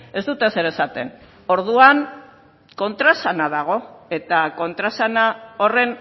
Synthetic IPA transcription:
e̞zt̪ut̪ese̞ɾesat̪e̞̰n | o̞ɾðuan | ko̞nt̪ɾasanað̞aɣ̞o̞e̞t̪ako̞nt̪ɾasanao̞re̞n

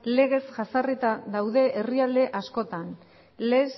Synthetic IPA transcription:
le̞ɣ̞e̞sʝasaret̪aðawðe̞ʔːriald̪e̞ʔasko̞t̪an | les

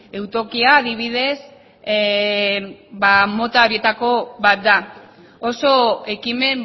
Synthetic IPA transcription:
e̞wt̪o̞kiaːðiβ̞ið̞e̞s | bamo̞t̪ao̞ɾie̞t̪ako̞βat̪̚d̪a | o̞so̞e̞kime̞m

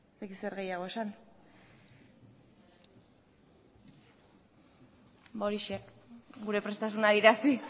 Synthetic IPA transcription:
sd̪akiseɾɣe̞jaɣ̞o̞e̞san | bo̞ɾiʃeɣuɾe̞pɾe̞st̪as̬unaðiɾasi

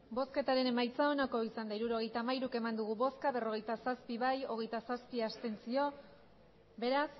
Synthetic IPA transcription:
bo̞ske̞t̪aɾe̞ne̞majt͡sao̞nako̞isand̪aiɾuɾo̞ɣ̞e̞jt̪aːmajɾuke̞mand̪uɣ̞uβo̞skaβe̞ro̞ɣe̞jt̪asaspiβajo̞ɣ̞e̞jt̪asaspiast̪e̞nt͡sio̞ | be̞ɾas

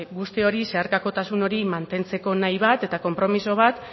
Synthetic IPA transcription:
ɡust̪eo̞ɾise̞aɾkako̞t̪asuno̞ɾimant̪e̞nt͡se̞ko̞najβat̪e̞t̪ako̞mpɾo̞miso̞β̞at̪

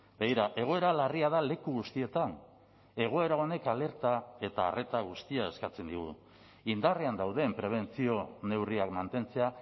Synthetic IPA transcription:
beɣiɾaʔe̞ɣ̞o̞e̞ɾalariaðale̞kuɣust̪ie̞t̪an | e̞ɣ̞o̞e̞ɾao̞ne̞kale̞ɾt̪ae̞t̪a̰ːre̞t̪aɣ̞ust̪iae̞skat͡se̞nd̪iɣ̞ṵ | ind̪areand̪awðe̞mpɾe̞β̞e̞nt͡sio̞ne̞wriakmant̪e̞nt͡se̞a

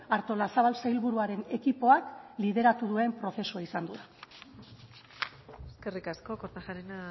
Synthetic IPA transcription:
aɾt̪o̞lasaβ̞alsajlβuɾuaɾe̞ne̞kipo̞aklið̞e̞ɾat̪uðue̞mpɾo̞θe̞suaisand̪uða | eske̞rikasko̞koɾt̪aʝaɾena

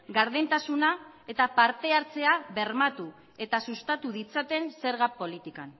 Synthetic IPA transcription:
ɡaɾðent̪asunae̞t̪apaɾt̪e̞aɾt͡se̞aβe̞ɾmat̪u | e̞t̪asust̪at̪uðit͡sat̪e̞nse̞ɾɣapo̞lit̪ikan

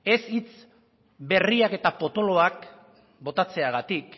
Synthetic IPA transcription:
e̞sit͡s | be̞riake̞t̪apo̞t̪o̞lo̞ak | bo̞t̪at͡se̞aɣat̪ik

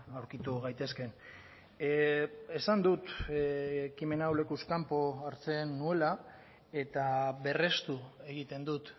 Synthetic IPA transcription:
awɾkit̪uɣajt̪e̞ske̞n | e̞sand̪ut̪ | kime̞nawle̞kuskampo̞aɾt͡se̞nːue̞la | e̞t̪aβe̞re̞st̪ue̞ɣ̞it̪e̞nd̪ut̪

